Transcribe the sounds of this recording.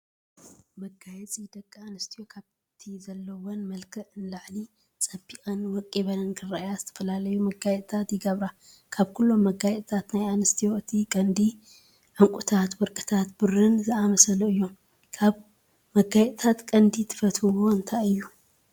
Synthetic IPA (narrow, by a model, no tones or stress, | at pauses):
mɐɡajɛt͡sʼid̪ɐkʼːɐanɨst̪ʰijo̞kʰaβ | t̪ʰizɐlːɐwonmɐlkʰɨʕɨnlaʕli | t͡sʼɐbiʔʼɐnwɔkʼːiβɐnɐnkʰɨɾːajazɨt̪ʰɐ̥fɐlalɐjumɐɡajɛt̪ʼt̪ʰat̪jɪɡɐβɾa | kʰaβkʰulːo̞mːɐɡajɛt̪ʼt̪ʰat̪najanɨst̪ʰijo̞ɨt̪ʰikʼɐnd̪i | ʕɨŋkʷʼut̪ʰat̪wɔɾkʼɨt̪ʰat̪bɨrɨnzɨamɐsɐluɨjːo̞m | kʰaβ | mɐɡajɛt̪ʼt̪ʰat̪kʼɐnd̪it̪ʰɨ̥fɐt̪hɨwo̞ɨnt̪ʰajɨjːu